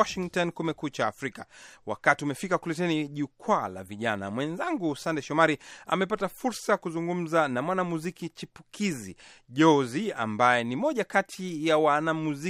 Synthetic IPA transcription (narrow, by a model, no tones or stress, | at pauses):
ɔʃiŋktɔnkumɛkut͡ʃaːfɾikawa̰katiumɛfikakulɛtɛniʄukʰwala̰viʄana̰mwɛnzaŋɡusandɛʃɔmaɾia̰mɛpatafuɾsajkuzuŋɡum̩zanamwanamuzikit͡ʃipu̥kizḭ | ʄɔzia̰mbajɛnimɔʄakatʰijawanamuzi